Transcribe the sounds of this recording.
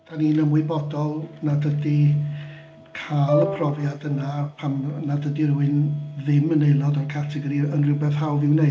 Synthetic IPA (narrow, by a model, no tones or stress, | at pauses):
d̥aninəmwɨbɔdɔlˠnadədi | kʰaːlˠəpʰrɔvjadənapʰamnadədiruɨnðɪməneɨlˠɔdɔrkʰatʰɛɡɔɾiənrɪwbɛθɦawvɪwne